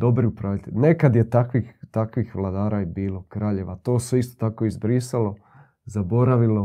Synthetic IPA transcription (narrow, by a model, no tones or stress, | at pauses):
d̪o̞bɾiupɾaːʋʲit̪ḛʎnekad̪jet̪akʋixt̪akʋixʋlˠad̪aːɾabiːlˠo̞kɾaːʎe̞ʋat̪o̞ːseist̪ot̪ako̞izbɾiːsalo̞ | zabo̞ɾaʋilo̞